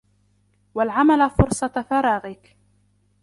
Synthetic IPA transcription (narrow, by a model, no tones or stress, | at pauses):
walʕamalafʊɾsˤɑt̪fɑɾˤɑːɣɪk